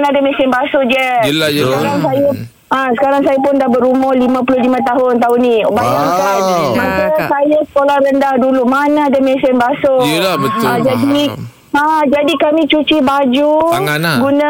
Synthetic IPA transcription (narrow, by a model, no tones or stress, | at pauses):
nadamɛ̃sɪnbasʊd͡ʒɛlajəkaɾaŋsaja | asə̥kaɾaŋsajapʊndahbəɾumɔhlimãp̬ulʊlimãt̪aɦʊnt̪aɦʊnːĩbajaŋamãsasajasə̥kolahrəndahdulumanaadamɛ̃sɪnbasojlabət̪ãd͡ʒadi | ad͡ʒadikamĩt͡ʃut͡ʃibad͡ʒuŋanaɡunã